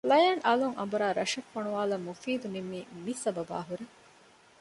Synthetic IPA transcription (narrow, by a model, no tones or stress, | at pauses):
lɐjaːnʔɐluŋʔɐ̰mbuɾaːɾɐʃɐfːɐɳuʋaːlɐmːufiːd̪unimːiːmisɐbɐba̰ːɦuɾe